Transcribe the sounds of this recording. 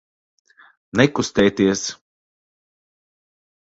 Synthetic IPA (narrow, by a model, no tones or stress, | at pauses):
nɛkust̪ɛːjt̪iɛs